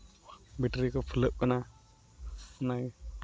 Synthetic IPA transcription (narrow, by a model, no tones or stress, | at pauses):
biʈɾikəpʰuləʔkːəna | na